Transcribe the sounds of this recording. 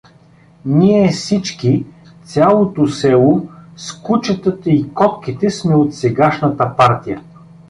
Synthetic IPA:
niɛfsit͡ʃki | t̪sʲalˠot̪osɛlˠoskut͡ʃət̪ət̪əikɔt̪kit̪ɛsmɛot̪sɛɡaʃnət̪əpaɾt̪ijə

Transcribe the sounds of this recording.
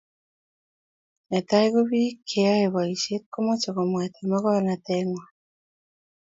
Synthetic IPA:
netaiɣoβiːkʰeaeβaisekːomot͡ʃeɣomwatemeɣoanateŋwa

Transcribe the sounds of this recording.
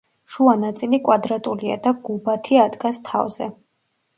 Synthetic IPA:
ʃuanat̪sʼilikʼwad̪ɾat̪ʼulia̰d̪aɡ̥ubat̪ʰiad̪ɡast̪ʰa̰vz̥ɛ

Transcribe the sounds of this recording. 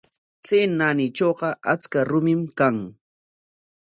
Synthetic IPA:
t͡senanɪt͡ʃoɢɑʔat͡skaɾʊmɪmkaŋ

